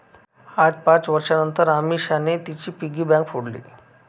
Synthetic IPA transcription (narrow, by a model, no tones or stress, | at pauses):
ad͡zpãt͡sʋəɾʂanənt̪əɾamiɕanet̪it͡ɕiːpiɡiːbãŋkfoɽlḭː